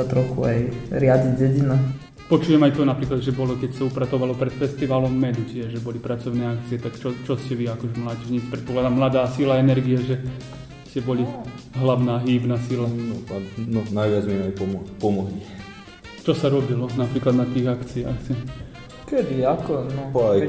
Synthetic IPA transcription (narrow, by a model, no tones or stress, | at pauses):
at̪ɾɔxṵa̰jɾɪaɟiɟɛɟinu | pɔt͡ʃuːjɛmajt̪ɔnapɾiːklad̪ʒɛbɔlɔkɛcsaupɾat̪ɔʋalɔpɾɛt̪fɛst̪iʋaːlɔmːɛd̪ucɪɛʒʒɛbɔlipɾat͡sɔʊnɛːakt͡siɛt̪akt͡ʃɔt͡ʃɔscɛʋiakɔʒɛmlaːɟɛʒɲiːt͡spɾɛt̪̚pɔklad̪aːmlad̪aːsilaɛnɛɾɡiaʒɛ | scɛbɔliɦlaʊnaːɦiːʋnasilanɔanɔnajʋɪad͡zmimajpɔmɔpɔmɔɦli | t͡ʃɔsaɾɔbilɔnapɾiːklad̪nat̪iːɣakt͡sia̰xsi | kɛd̪iakɔnɔaj